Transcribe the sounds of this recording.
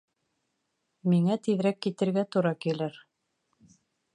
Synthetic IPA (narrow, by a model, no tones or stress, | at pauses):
miŋæt̪iðɾækːit̪ɘ̆ɾɡæt̪uɾɑkilɘɾ